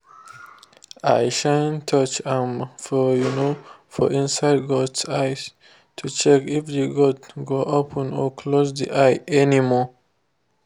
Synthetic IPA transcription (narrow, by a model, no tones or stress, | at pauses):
ajʃãntʰʌt͡ʃãmfɔjunofɔ̰ʔĩnsaɪd̚ɡɔdsajz | tʰut͡ʃɛkifdeɡɔdɡoʔopʰə̃nɔkʰlozd̪ḭʔajʔɛnimɔ